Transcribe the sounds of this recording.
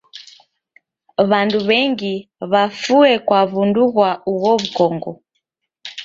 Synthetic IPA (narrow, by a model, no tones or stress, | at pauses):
βanduβɛŋɡi | βafuɛkwaβunduɣwauɣɔβukɔŋɡɔ̰